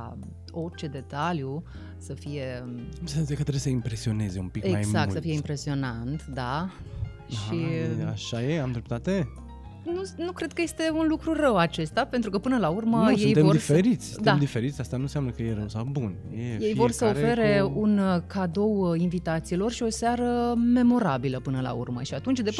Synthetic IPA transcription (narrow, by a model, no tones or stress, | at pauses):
ka̰ | o̞rt͡ʃe̞d̪e̞t̪alju | səfije̞kumsenekət̪ɾebjesəimpɾesio̞ne̞ze̞ṵmpikemaɡjzakulsəfije̞impɾe̞sio̞nant̪d̪a | ʃiaʃajeamd̪ɾep̚t̪at̪e | nunukɾe̞d̪̚kəje̞st̪e̞unlukɾurəwat͡ʃe̞st̪ape̞nt̪ɾukəpɨnəlaurməjeejt̪emod̪ifeɾit̪sʲd̪amd̪ife̞ɾit̪sʲast̪anuseamnəkəjeɾəwsawbun | jeje̞jvo̞rsəofe̞ɾe̞unkʰad̪o̞winvit̪at̪silo̞rʃio̞saɾəme̞mo̞ɾabiləpɨnəla̰ṵrmə̰ʃiat̪unt͡ʃd̪e